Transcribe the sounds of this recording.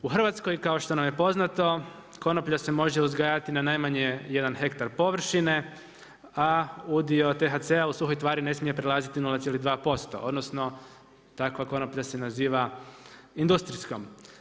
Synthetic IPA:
uxr̩ʋat̪sko̞jkao̞ʃt̪o̞namjepo̞znat̪o̞ | ko̞nopʎase̞mo̞ʒeuzɡajat̪inanajmaɲeje̞d̪anxe̞kt̪aɾpo̞ʋr̩ʃine̞ | aud̪io̞t̪e̞ɦat̪seausuxo̞jt̪ʋaːɾine̞smije̞pɾelˠaːzit̪inulat̪ielid̪ʋaːpo̞st̪o̞̰ʔo̞d̪nosno̞ | t̪akʋako̞nopʎase̞naziːʋa | ind̪ust̪ɾisko̞m

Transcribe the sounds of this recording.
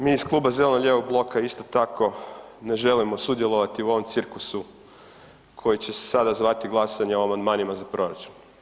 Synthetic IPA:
miːisklˠuːbaze̞lenʎjeʋoɡ̚blˠo̞kʰaist̪o̞t̪ako̞ | ne̞ʒe̞limo̞sud̪je̞lˠo̞ʋat̪iuo̞ʋo̞mt̪siɾklusu | kʰo̞jit͡ɕe̞se̥sad̪azʋat̪iɡlˠasaɲeoamand̪maːnimazapɾo̞ɾa̰t͡ʃu̥n

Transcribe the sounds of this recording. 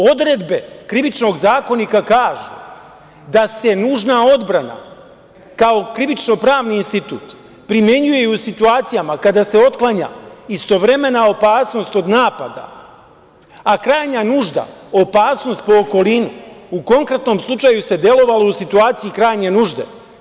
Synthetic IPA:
o̞d̪ɾe̞d̪be̞kɾiʋit͡ʃno̞ɡzaːko̞nikakaːʒṵ | d̪ase̞nuːʒnao̞d̪bɾana̰ | kao̞kɾiʋit͡ʃno̞pɾaːʋniːnst̪it̪ṵːt̪ | pɾimje̞ɲuje̞usit̪uaːt̪sijamakad̪ase̞o̞t̪klˠaɲa̰ist̪o̞ʋɾe̞me̞nao̞paːsno̞st̪o̞d̪naːpad̪a̰ | akɾaːjɲanuʒd̪a̰o̞paːsno̞st̪̚po̞ːko̞linuuko̞ŋkɾe̞t̪no̞mslˠut͡ʃajuse̞d̪je̞lo̞ʋalousit̪uaːt̪sijikɾaːjɲe̞nuːʒd̪e̞̰

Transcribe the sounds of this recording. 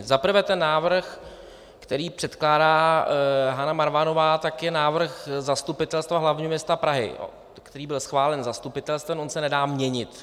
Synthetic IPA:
zapr̩vɛːt̪ɛnːaːvr̩x | kt̪ɛɾiːpr̥ɛt̪klaːdaː | ɦanamaɾvano̞vaːt̪akjɛnaːvr̩xzast̪upɪt̪ɛlst̪vaɦlavɲiːɦomɲɛst̪apɾaɦɪ̰ | kt̪ɛɾiːbɪlsxvaːlɛnzast̪upɪt̪ɛlst̪vɛmʔonsɛnɛdaːmɲɛɲɪt̪

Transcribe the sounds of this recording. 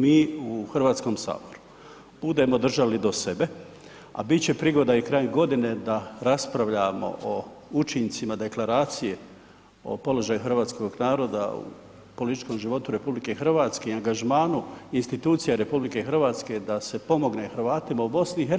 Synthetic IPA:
miːuxr̩ʋaːt̪sko̞msa̰ːbo̞ɾu̥ | b̥ud̪e̞mo̞d̪r̩ʒalid̪o̞se̞be̞ | a̰bitt͡ɕe̞pɾiɡo̞d̪aikɾaːjemɡo̞d̪ine̞d̪aɾaspɾaʋʎamo̞̰ʔout͡ʃint̪simad̪e̞klˠaɾaːt̪sije̞ | o̞̰po̞lo̞ʒaːjuxr̩ʋaːt̪sko̞ɡnaːɾo̞ːd̪a̰ṵ | po̞lit̪i̥t͡ʃko̞mʒiʋo̞t̪uɾe̞publike̞xr̩ʋaːt̪skeiaŋɡaʒmaːnuinst̪it̪uːt̪sijaɾe̞publike̞xr̩ʋaːt̪ske̞d̪ase̞po̞mo̞ɡne̞xɾʋaːt̪imaubo̞sniːɦe

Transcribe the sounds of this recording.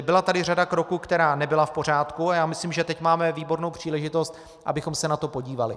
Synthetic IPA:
bɪlat̪adɪradakɾo̞kuːkt̪ɛɾaːnɛbɪlafpo̞r̝aːt̪kuajaːmɪsliːmʒɛt̪ɛcmaːmɛviːbo̞ɾno̞wpr̝̥iːlɛʒɪt̪o̞st̪ | ʔa̰bɪxo̞msɛnat̪o̞po̞ɟiːvalɪ̰

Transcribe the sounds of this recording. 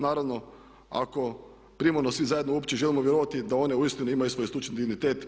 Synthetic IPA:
naːɾaʋno̞ | a̰ko̞ | pɾimoɾnosʋizaje̞d̪nouopt͡ɕe̞ʒe̞limoʋjeɾoʋat̪id̪ao̞neuist̪inuimajusʋo̞jsˠut͡ʃend̪iɡnit̪eːt̪

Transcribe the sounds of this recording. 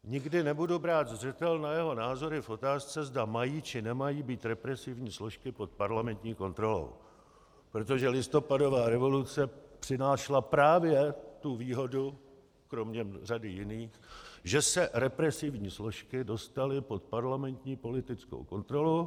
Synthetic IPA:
ɲɪɡdɪnɛbudubɾaːt̪zrɛt̪ɛlnajɛɦo̞naːzo̞ɾɪfʔo̞t̪aːst͡sɛzdamajiːt͡ʃɪnɛmajiːbiːt̪ɾɛpɾɛsɪvɲiːslo̞ʃkɪpo̞t̪̚paɾlamɛnt̪ɲiːko̞nt̪ɾo̞lo̰w | pɾot̪o̞ʒɛlɪst̪o̞pado̞vaːɾɛvo̞lut͡sɛpr̥ɪnaːʃlapɾaːvjɛt̪uviːɦo̞du | kɾo̞mɲɛr̝adɪjɪniːxʒɛsɛɾɛpɾɛsɪvɲiːslo̞ʃkɪdo̞st̪alɪpo̞t̪̚paɾlamɛnt̪ɲiːpo̞lɪt̪ɪt͡sko̰wko̞nt̪ɾo̞lu

